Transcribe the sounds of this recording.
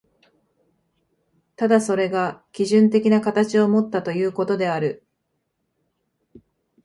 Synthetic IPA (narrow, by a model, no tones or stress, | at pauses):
t̪ad̪aso̞ɾe̞ɡakʲiʑɨ̃nt̪̬e̞kʲinakat̪at͡ɕio̞mo̞t̪ːat̪o̞jɯ̟ːko̞t̪o̞d̪e̞aɾɯ̟